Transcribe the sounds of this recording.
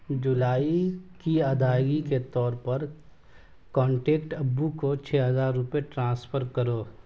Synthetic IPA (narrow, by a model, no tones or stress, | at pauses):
d͡ʒʊlaːikiɐd̪aːjɡiket̪ɔːɾpɐɾ | kɔ̃ːɳʈeːkʈɐbːukot͡ʃʰeːɦɐzaːɾːʊpeʈɾãːspʰəɾkɐɾoː